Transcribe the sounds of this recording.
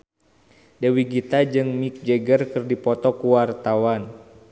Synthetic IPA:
dɛwiɡit̪ad͡ʒɨŋmik̚d͡ʒɛɡərkɨrdipɔt̪ɔkuwart̪awan

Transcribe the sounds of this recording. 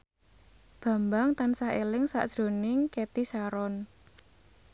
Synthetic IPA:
b̥ä̤mbaŋt̪ansahelɪŋsa̰ʔd̥ʒ̥ɾo̤nɪŋket̪isaɾɔn

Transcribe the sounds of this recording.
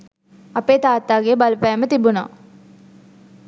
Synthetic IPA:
ɐpeːt̪aːt̪ːaːɡebɐlpæːmət̪ibuna̰ː

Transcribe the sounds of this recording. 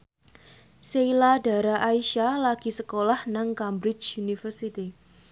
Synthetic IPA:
seilada̤ɾaʔaiʃalaɡ̥i̤səkolahnaŋkambɾɪt͡ʃunifərsit̪i

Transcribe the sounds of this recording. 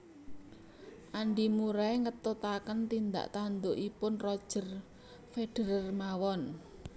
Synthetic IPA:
ʔaɳɖimuɾaeŋət̪ot̪akənt̪ind̪a̰ʔt̪and̪oʔipʊnrɔd̥ʒ̥ə̤r | feɖ̥ə̤ɾərmawɔn

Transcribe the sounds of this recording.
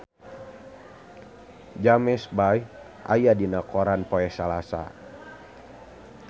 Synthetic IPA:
d͡ʒamɛsbaj | ʔa̰jadinakɔɾanpɔɛhsalasa̰

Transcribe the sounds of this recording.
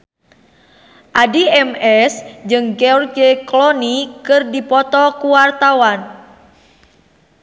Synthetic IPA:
ʔadiɛmɛsd͡ʒɨŋkeɔrkeklɔnikɨrdipɔt̪ɔkuwart̪awan

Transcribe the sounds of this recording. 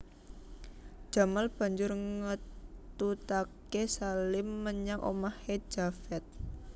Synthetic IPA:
d͡ʒ̥a̤malb̥a̤ɲd͡ʒʊrŋət̪ut̪akesalɪmːəɲaŋʔo̰mahe̥d͡ʒ̥afɛt̪̚

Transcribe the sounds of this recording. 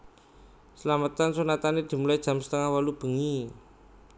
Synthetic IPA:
səlamət̪ansunat̪aned̪̥i̤mulaid̥ʒ̥a̤msə̥t̪əŋahwalub̥ə̤ŋi

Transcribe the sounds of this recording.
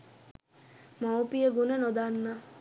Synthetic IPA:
mawpijəɡunənod̪anːa

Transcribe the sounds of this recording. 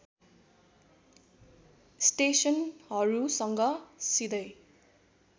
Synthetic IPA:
sʈesʌnɦʌɾusʌŋɡʌsid̪ʌj

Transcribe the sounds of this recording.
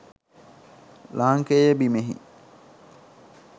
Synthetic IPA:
laːŋkeːjebimeɦḭ

